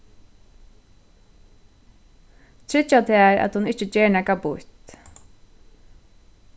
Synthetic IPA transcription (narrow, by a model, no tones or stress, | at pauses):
t̪ʰɾɪt͡ʃat̪ʰɛːæːɹæ̰t̪hʊnɪht͡ʃət͡ʃeːɹnɛkapʊt̪